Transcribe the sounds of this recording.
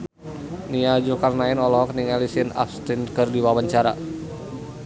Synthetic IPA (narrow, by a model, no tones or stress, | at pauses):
niad͡ʒukarnaɪnɔlɔɦɔkəniŋalisɪna̰fst̪inkərdiwawaɲt͡ʃaɾa